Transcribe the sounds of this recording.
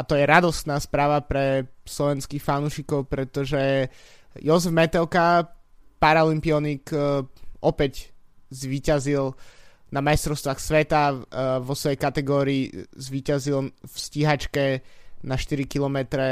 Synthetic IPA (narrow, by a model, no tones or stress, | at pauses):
at̪ɔjɛɾad̪ɔst̪naːspɾaːʋapɾɛslɔʋɛnskixfanuːʃikɔʊpɾɛt̪ɔʒɛ | jɔzɛvmɛt̪ɛlka | paɾaɔlimpiɔnik | ʔɔpɛczʋiːcazil | namajst̪ɾɔʊst̪ʋaxsʋɛt̪aʋɔsʋɔjɛjkat̪ɛɡɔːɾiːzʋiːcazilfsciɦat͡ʃkɛnaʃt̪iɾikilɔmɛt̪ɾɛ